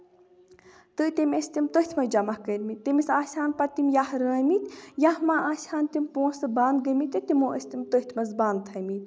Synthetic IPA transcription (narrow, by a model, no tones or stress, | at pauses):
t̪ɨt̪ʲimʲest̪imt̪əht̪ʰmɐd͡ʒɐmɐhkəɾʲmit̪ːimisaːsʲaːnpɐt̪imjahɾəːmit̪jãhmaʔaːsʲaːnt̪imʲpõːsɨbaːnd̪̚ɡəmit̪ɨt̪imoːʔəsʲt̪imt̪oht̪ʰʲmɐzbaːnd̪̚t̪ʰɐmit̪ʲ